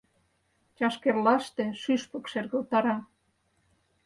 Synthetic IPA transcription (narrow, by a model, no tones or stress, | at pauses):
t͡ɕɑʃkerlɑʃt̪ĕʃyʃpə̆kʃerɣə̆lt̪ɑɾɑ